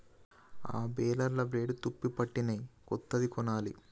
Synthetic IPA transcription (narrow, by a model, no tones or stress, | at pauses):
a̰ːbɛːlɐɾlɐbɾeːɖt̪upːipɐʈːinɐkɔt̪ːɐd̪ikɔnaːli